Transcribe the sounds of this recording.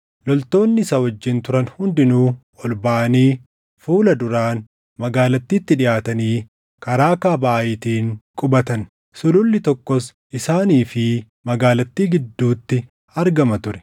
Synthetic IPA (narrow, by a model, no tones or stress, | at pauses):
lɔlt̪o̞ːnːɪsɐwɐd͡ʒːɪnt̪ʊɾɐnhʊnd̪ɪnuː | ɔlbaʔɐniː | fuːlɐd̪ʊɾaːn | mɐɡaːlɐt̪ːiːt̪ːɪᶑɪʔaːt̪ɐniː | kɐɾaːkaːbaʔʔɪːt̪iːŋkʼʊbɐt̪ɐn | sʊlʊlːɪt̪ɔkːɔs | ɪsaːniːfɪ | mɐɡaːlɐt̪ːiːɡɪd̪ːuːt̪ːɪ | ɐɾɡɐmɐt̪ʊɾɛ̥